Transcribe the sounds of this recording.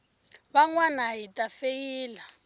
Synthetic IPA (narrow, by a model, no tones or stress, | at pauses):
βaŋwanaɦitʼafejiːla